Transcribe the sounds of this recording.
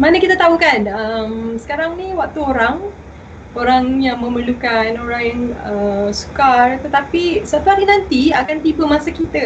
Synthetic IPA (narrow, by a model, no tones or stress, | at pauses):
manəkit̪ət̪aukanəmsə̥kaɾaŋnĩwak̚t̪uoɾaŋ | oɾaŋjaŋmə̃məlukanoɾaŋjaŋəsu̥kart̪ət̪apisat̪uaɾinãnt̪iakant̪ibəmasakit̪ə